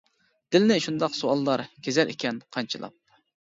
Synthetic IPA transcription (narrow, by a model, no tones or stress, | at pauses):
d̪̥ɪlnɪʃund̪ɑqsuɑlˠːɑɾkʲʰezɛɾʔḭkʲɛnqʰɑnt͡ʃʰɨlˠɑ̰p̚